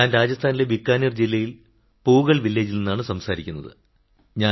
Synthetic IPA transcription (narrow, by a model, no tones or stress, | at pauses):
aːnɾaːd͡ʑɐst̪ʰaːnile̞bikːaːnird͡ʑilːɐjil | puːɣɐɭʋilːeːd͡ʑilninːaːɳɨsɐmsaːɾikʲːunːɐ̰ðɨ̰ | ɲaː